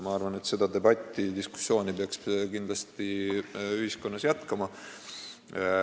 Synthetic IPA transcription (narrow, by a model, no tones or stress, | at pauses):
mɑɑrvɑne̞t̪se̞d̪ɑd̪e̞bɑt̪ʲːid̪isku̥sːo̞ːnipeɑkskind̪lɑst̪iyhisko̞nːɑsjæt̪kɑmɑ